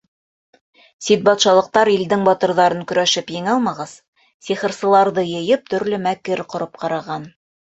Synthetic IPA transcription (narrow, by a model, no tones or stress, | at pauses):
sit̪̚bɑt̪ʃɑlˠɤ̆q̚t̪ɑɾild̪ɘŋbɑt̪ɤ̆ɾðɑɾɤŋkɵ̆ɾæʃɘpjɘ̆ŋɑlˠmɑʁɤz̥ | siχɤ̆ɾsɤ̆lˠɑɾðɤjɤ̆jɤp̚t̪ɵ̆ɾlɵmækɘɾqŏɾɤp̚qɑɾɑʁɑn